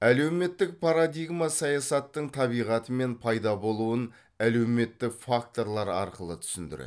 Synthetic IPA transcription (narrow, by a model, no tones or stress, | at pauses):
æle̞wme̞t̪ːɪk̚pʰaɾad̪ijɡmasɑjɑsɑt̪ːəɴt̪ʰɑβijʁɑt̪əme̞npʰɑjd̪ɑbo̞lˠuwən | æle̞wme̞t̪ːɪfak̚t̪o̞ɾlˠɑɾɑ̰ɾqəlˠət̪ʰʏ̥sɪnd̪ɪ̰ɾḛ